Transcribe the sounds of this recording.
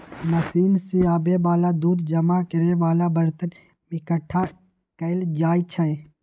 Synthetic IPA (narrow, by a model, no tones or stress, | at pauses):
mɐsiːnsiaːbebaːlad̪uːd̪d͡ʒɐmakɪɾeʋaːlabɐɾt̪ən | mɪkəʈʰːa | kəɪld͡ʒaːit͡ʃʰəe